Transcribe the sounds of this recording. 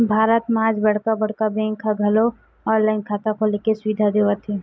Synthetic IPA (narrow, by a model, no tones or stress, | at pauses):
bʱaːɾət̪mãːd͡ʒbɐɽ̤kabɐɽ̤kabɛ̃ːŋkʰːaɡʱɐlo | ɔːlaɪnkʰaːt̪akʰolekesʊʋɪd̪ʱad̪eːʋat̪ʰeː